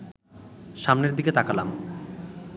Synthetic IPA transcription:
ʃamneɾd̪iket̪akala̰m

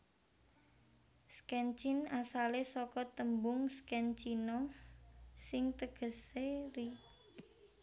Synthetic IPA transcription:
skɛnt͡ʃɪnasalesɔkɔt̪əmbʊŋskɛnt͡ʃinɔ | sɪŋt̪əɡ̥ə̤seɾi

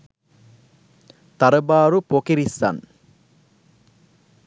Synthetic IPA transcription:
t̪ɐɾɐbaːɾupokiɾisa̰n

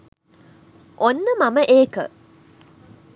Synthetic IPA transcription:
ʔonːəmaməʔeːkə̰

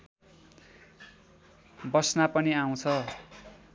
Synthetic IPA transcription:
bʌsnapʌniaw̃t͡sʰʌ

